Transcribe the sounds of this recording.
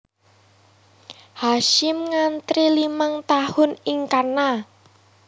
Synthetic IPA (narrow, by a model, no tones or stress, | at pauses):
haʃɪmŋant̪ɾilimaŋt̪ahʊnɪŋkarna